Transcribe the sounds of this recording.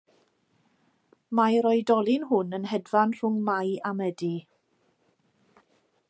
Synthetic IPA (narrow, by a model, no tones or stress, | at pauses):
majɾɔjdɔlˠɪnɦʊnənhɛdvanr̥ʊŋmajamədi